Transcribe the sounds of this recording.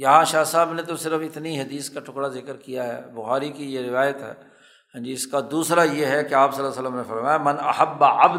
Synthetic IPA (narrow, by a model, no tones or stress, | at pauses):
jɐɦãʃaːsaːbnet̪̬osɪɾəfɪt̪niɦɐd̪iːskaʈʰʊkɽazɪkəɾkijaɦɛ̰ːbʊxaːɾikijeɾɪʋaːjət̪ɦɛ̰ː | ɦə̃nd͡ʒiɪskad̪uːsɾajeɦɛkeaːpsɐlːasəlːəmnefɐɾmaːjamɐnɐ̰həbːɐb̪